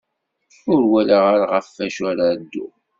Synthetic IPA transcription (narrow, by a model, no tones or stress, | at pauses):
ʊɾwælaʁaɾʁəfːæʃaɾaəd̪ːṵ